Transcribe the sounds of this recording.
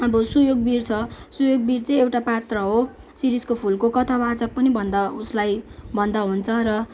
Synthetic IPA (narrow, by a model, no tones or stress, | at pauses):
ʌbʌsujoɡ̚birt͡sʰʌsujoɡ̚birt͡sʌ̃j̃ewʈapat̪rʌɦo | siɾiskopʰulkokʌt̪ʰabʱat͡sʌk̚pʌnibʱʌnd̪auslajbʱʌnd̪aɦunt͡sʰʌɾʌ